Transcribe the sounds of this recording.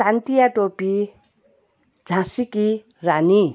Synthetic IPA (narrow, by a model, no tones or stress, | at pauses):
sanʈijaʈopi | d͡zʱãsiki | rani